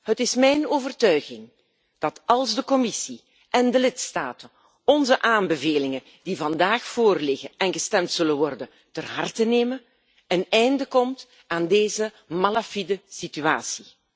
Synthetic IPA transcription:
ɦətɪsmɛjnoːvərtœɥɣɪŋ | d̥ɑtɑlˠzdəkɔmɪsi | ʔɛndəlɪtstaːtən | ɔnzəʔaːmbəveːlɪŋən | divɑndaːxfoːrlɪɣəɛnɣəstɛmtsɵlənʋɔrdə | tərɦɑrtəneːmən | ənɛjndəkɔmt | aːndeːzə | malafidəsityaːsi

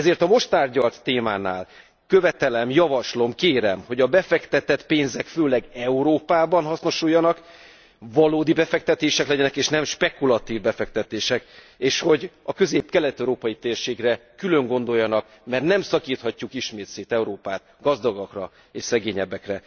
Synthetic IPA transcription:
ɛzeːrt̪ɒmo̞ʃt̪aːrɟɒlt̪ːeːmaːna̰ːl | kø̞vɛt̪ɛlɛmjɒvɒʃlo̞mkeːɾɛmho̞ɟɒbɛfɛkt̪ɛt̪ɛt̪peːnzɛkføːlɛɡɛuɾoːpaːbɒnɦɒsno̞ʃujːɒnɒk | vɒloːd̪ibɛfɛkt̪ɛt̪eːʃɛklɛɟɛnɛkeːʃnɛmʃpɛkulɒt̪iːvbɛfɛk̚t̪ɛt̪eːʃɛk | eːʃho̞ɟɒkø̞zeːpkɛlɛt̪ɛuɾoːpɒjit̪eːrʃeːɡrɛkylø̞ŋɡo̞nd̪o̞jːɒnɒk | mɛrt̪nɛmsɒkiːt̪hɒcːukiʃmeːt̪seːt̪ɛuɾoːpaːt̪ | ɡɒzd̪ɒɡɒkrɒ | eːʃsɛɡeːɲɛbːɛkrɛ

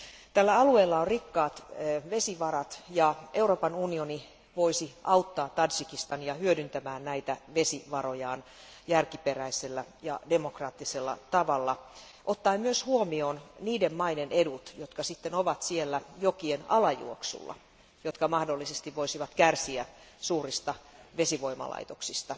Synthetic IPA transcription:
t̪ælːæɑlueːlːɑorrikːɑːt̪ːʋesiʋɑrɑt̪jɑʔeuroːpɑnunioni | ʋoisiʔɑut̪ːɑːt̪t̪ɑnsikist̪ɑnjɑhyødynt̪æmæːnnæit̪æʋe̞siʋɑɾojɑːn | jærkiperæiselːæjɑ̰demokrɑːt̪ːiselːɑ̰t̪ɑʋɑlːɑ | ʔot̪ːɑːmyøshuomioːnniːdemmɑidenedut̪jot̪kɑsit̪ːenoʋɑt̪sielːæjokienɑlɑjṵoksṵlːɑ̰ | jot̪kɑmɑhdolːisest̪iʋʋoisiʋɑt̪kærsiæsuːrist̪ɑʋesiʋo̞imɑ̰lɑ̰it̪oksist̪ɑ

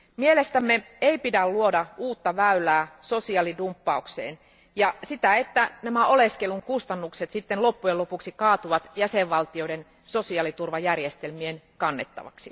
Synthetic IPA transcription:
mielest̪æmːe | eipidælluodɑuːt̪ːɑʋæylæːso̞siɑlidumpːɑuksḛːn | jɑsit̪æet̪ːænæmæʔoleskeluŋkust̪ɑnːukset̪sit̪ːenlo̞pːujelo̞puksikɑːt̪uʋɑt̪jæseʋʋɑlt̪io̞den | sosiɑlit̪urʋɑjærjest̪elmienkɑnːet̪ːɑ̰ʋɑ̰ksi

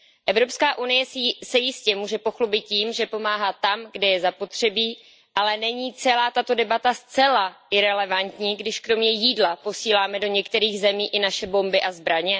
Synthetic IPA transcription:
ʔɛvɾo̞pskaːʔunɪjɛsɛjɪscɛmuːʒɛpo̞xlubɪt̪̚ciːmʒɛpo̞maːɦat̪ːamɡdɛjɛzapo̞t̪r̝̥ɛbiː | ʔalɛnɛɲiːt͡sɛlaːt̪at̪o̞dɛbat̪ast͡sɛlaɪɾɛlɛvant̪ɲiːɡdɪʃkɾo̞mɲɛjiːdlapo̞siːlaːmɛdo̞ɲɛkt̪ɛɾiːɣzɛmiːʔɪnaʃɛbo̞mbɪʔazbɾaɲɛ

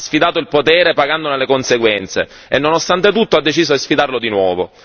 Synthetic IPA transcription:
sfid̪aːt̪oilpot̪ɛːɾepaɡand̪onelekonseɡwɛnt̪sḛ | enːonost̪ant̪et̪ut̪ːoad̪ːet͡ʃiːzod̪isfid̪arlod̪inwɔːvo

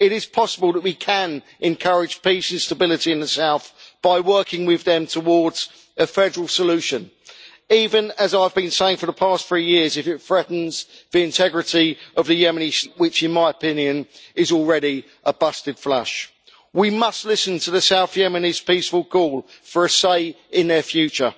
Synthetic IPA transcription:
ɪɾɪz̥pʰɒsəbəlˠðəʔwikʰə̃n | ɛ̃nkʰʌɹɪd̥d͡ʒ̥piˑsɪ̃nstəbɪlɪtiɪ̃nðəsaʊθb̥aɪwɜˑkʰɪ̃ŋwɪðə̃mtʰəwɔːdz̥ | əfɛdəɹəlˠsəlʉˑʃə̃n | iːvə̃nəzaɪvbĩnseɪɪ̃ŋfəðəpʰɑˑstθɹiːjɪəzɪfɪtfɹɛʔn̩z̥ðiɪ̃ntʰɛɡɹɪtiəvðəjɛməniswɪt͡ʃɪ̃nmaɪəpʰɪ̃njə̃nɪzɔlˠɹɛɾi | ʔəbʌstɪd̥fla̰ʃ | wimʌstˡlɪsə̃ntʰəðəsaʊθjɛməniz̥piˑsfəlˠkʰɔːlˠfəɹəseɪ | ɪ̃nðəfjʉˑt͡ʃə

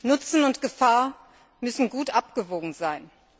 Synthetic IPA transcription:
nʊt͡sn̩ʊntɡ̥əfaːɐ | mʏsn̩ɡuːtʔap̚ɡ̥əvoːɡŋ̩zaɪn

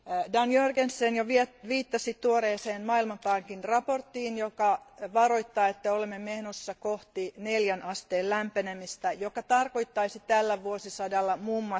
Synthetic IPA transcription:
dɑnjørɡensːenjoʋieʋiːt̪ːɑsit̪uoɾeːseːnmɑːilmɑnt̪ɑŋkinrɑport̪ːiːnjokɑʋɑroit̪ːɑːet̪ːæolemːemehnosːɑkoht̪ineljænʔɑst̪eːllæmpenemist̪æjokɑt̪ɑrko̞jt̪ːɑisit̪ælːæʋuosisɑdɑlːɑmuːmːɑ

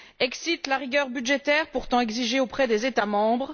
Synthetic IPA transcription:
ɛksit̪laʁiɡʲœʁbyd̪ʒet̪ɛʁpuʁt̪ɑ̃ɛɡziʒeopχɛd̪ezet̪amɑ̃bʁ

